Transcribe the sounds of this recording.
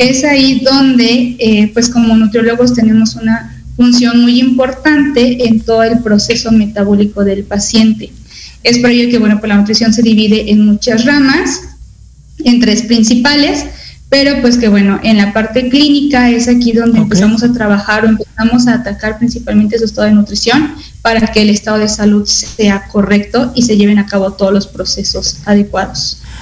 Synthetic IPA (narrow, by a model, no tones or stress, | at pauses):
e̞saiðo̞nd̪e̞epwe̞sko̞mo̞nut̪ɾolo̞ɣo̞s̬t̪e̞ne̞mo̞suna | funsjo̞nmujimpo̞ɾt̪ant̪e̞ʔent̪o̞ðoe̞lpɾo̞se̞so̞me̞t̪aβo̞liko̞ðe̞lpasje̞nt̪e̞̥ | e̞spoɾeʝoke̞βwe̞nopwelanut̪ɾisjo̞ns̬e̞ðiβiðe̞ʔenmut͡ʃazramas | e̞nt̪ɾe̞spɾinsipale̞spe̞ɾo̞pwe̞s̬ke̞βwe̞no̞ʔe̞nlapaɾt̪e̞klinikae̞sakiðo̞nd̪eːmpe̞samo̞sat̪ɾaβaxaɾo̞e̞mpe̞samo̞s̬aːt̪akaɾpɾinsipalment̪es̬uest̪aðonut̪ɾisjo̞n | paɾake̞ːle̞st̪að̞o̞ð̞e̞saluðse̞ako̞re̞kt̪o̞ʔise̞ʝe̞β̞e̞nakaβo̞t̪o̞ðozlo̞spɾo̞se̞so̞saðe̞kwaðo̞s